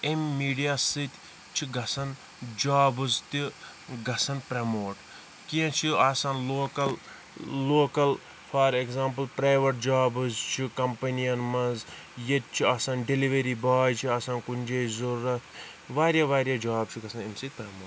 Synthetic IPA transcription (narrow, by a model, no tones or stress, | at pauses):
emːiːɖijaːsɨt̪ʲ | t͡ʃʰiɡɐsɐn | d͡ʒaːbɨzt̪i | ɡɐsɐnpɾɐmoːʈ | kiɐ̃t͡ʃʰiasaːnloːkɐlː | oːkɐl | fʰɐɾekzaːmpɐlpɾaːjʋɐʈ̚d͡ʒaːbɨzt͡ʃʰikɐmpɐnijɐnmɐnz | jet̪̚t͡ʃʰiaːsanɖeliʋɐɾiːbaːjt͡ʃʰiɐsaːnkunʲd͡ʒeːzoɾɐt̪ʰ | ʋaːɾjaʋaːɾʲjad͡ʒaːb̚t͡ʃʰiɡɐsɐnemsɨt̪̚ʲpɾɐmoːʈ